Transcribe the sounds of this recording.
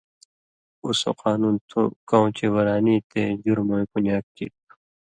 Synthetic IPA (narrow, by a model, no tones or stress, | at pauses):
uso̰qaːnuːnt̪ʰo̰kaw̃t͡ɕewɐɾaːnit̪ʰeːd͡ʑuɾmoikuɲaːkːḭt̪